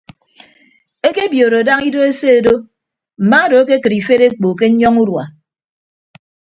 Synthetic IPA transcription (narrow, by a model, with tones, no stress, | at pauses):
e˦ke˦bjo˨ɾo˨da˦ŋi˦do˦e˦se˦e˨do˦ | m̩˨ma˦do˨e˦ke˦kɨ˨ɾi˨fe˦ɾe˦k͡po˨k̬e˦ɲ̩˦ɲɔ˦ŋu˦ɾwa̰˨